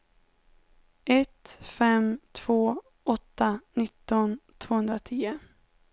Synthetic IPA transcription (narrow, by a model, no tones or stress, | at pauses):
ʔɛt̪fɛmt̪ʰv̥oː | ʔɔt̪ːanɪt̪ːɔnt̪ʰv̥oːhɵnd̪ɾat̪ʰiːə